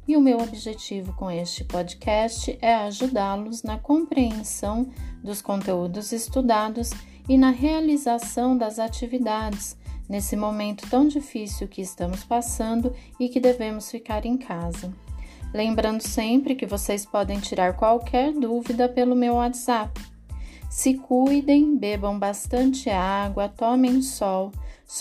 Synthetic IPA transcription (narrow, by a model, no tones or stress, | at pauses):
ɪʊmewobiʒet͡ʃivʊkõest͡ʃɪ̥pɔd͡ʒikʰɛst͡ʃɪʔɛɐaʒud̪aɾlʊznɐkõpɾeẽsɐ̃w̃d̪ʊskõnt̪eud̪ʊzɪst̪ud̪ad̪ʊz | ɪnɐɦealizasɐ̃w̃d̪ɐzat͡ʃivid̪ad͡ʒɪsnesɪmomẽnt̪ʊ̥t̪ɐ̃w̃d͡ʒifisiwkɪːst̪ɐ̃mʊspasɐ̃nd̪ʊ | ɪkɪd̪evẽmʊsfikaɾẽj̃kʰazɐlẽmbɾɐ̃nd̪ʊsẽpɾɪkɪvosespɔd̪ẽj̃t͡ʃiɾaɾkwawkʰɛɾd̪uvid̪ɐpelʊmewat̪z̥ap | sɪkujd̪ẽj̃bebɐ̃w̃bast̪ɐ̃nt͡ʃɪaɡwɐt̪ɔmẽj̃sɔw